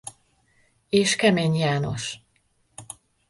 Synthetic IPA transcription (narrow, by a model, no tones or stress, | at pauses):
eːʃkɛmeːɲjaːno̞̰ʃ